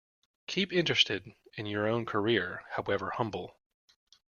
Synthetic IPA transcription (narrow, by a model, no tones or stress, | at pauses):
kʰipɪ̃nt͡ʃɹ̥ɨstɪɾɨ̃njə˞õʊ̃nkʰə˞ɪɹhaʊɛvə˞hʌ̃mbl̩ˠ